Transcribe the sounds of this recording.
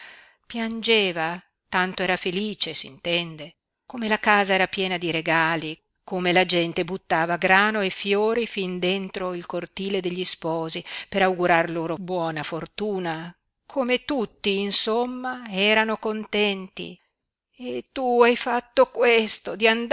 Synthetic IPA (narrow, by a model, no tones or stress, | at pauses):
pjand͡ʒeːva | t̪ant̪oɛːɾafeliːt͡ʃesḭnt̪ɛnd̪e | komelakaːzaɛːɾapjɛːnad̪iɾeɡaːli | komelad͡ʒɛnt̪ebut̪ːaːvaɡɾaːnoefjoːɾifind̪ent̪ɾoilkort̪iːled̪eʎːispɔːzipeɾawɡuɾarloːɾobwɔːnafort̪uːna | kʰomet̪ut̪ːiːnsomːaɛːɾanokont̪ɛnt̪ḭ | et̪ːuajfat̪ːokwest̪od̪iand̪